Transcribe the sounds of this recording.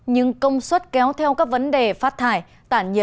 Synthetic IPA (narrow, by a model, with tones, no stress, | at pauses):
ɲɨ̰˧ŋkə˧wŋ͡mswə˦˥t̚kɛ˨˦wt̪ʰɛ˧wkaː˦˥k̚və˨˦nɗe˨˩faː˦˥t̚t̪ʰaː˧˩j | t̪a̰ː˧˨ɲə̰˧˨˩